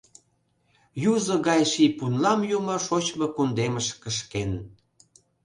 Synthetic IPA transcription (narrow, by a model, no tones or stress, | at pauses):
juzə̆ɣɑjʃipunlɑmjumoʃot͡ɕmokund̪eməʃkəʃken